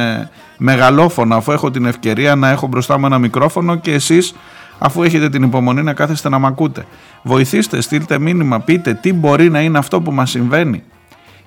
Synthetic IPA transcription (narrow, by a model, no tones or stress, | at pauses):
me̞ɣɐlo̞fo̞nɐːfue̞xo̞t̪̬ine̞fce̞ɾiɐnɐe̞xo̞bɾo̞st̪ɐmue̞nɐmikɾo̞fo̞no̞ce̞ːsis | ɐfue̞çe̞t̪e̞t̪inipo̞mo̞ninɐkɐθest̪e̞nɐmɐkut̪e̞̰ | vo̞iθist̪e̞st̪ilt̪e̞minimɐpit̪e̞t̪ibo̞ɾinɐine̞ɐft̪o̞p̬umɐsiɱve̞nḭ